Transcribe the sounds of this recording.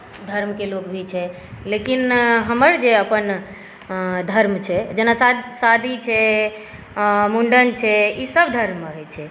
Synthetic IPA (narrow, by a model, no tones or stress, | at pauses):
d̪ʱəɾmkelokbʱit͡ʃʰɛ | lekinɦəməɾd͡ʒeəpən | d̪ʱəɾmt͡ʃʰɛd͡ʒənasasad̪ʱit͡ʃʰɛ | muɳɖənt͡ʃʰɛisəbd̪ʱəɾməɦɛt͡ʃʰɛ